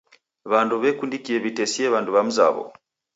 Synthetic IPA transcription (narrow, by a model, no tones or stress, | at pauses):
βanduβekundikijeβitesieβanduβamuza̰βɔ̰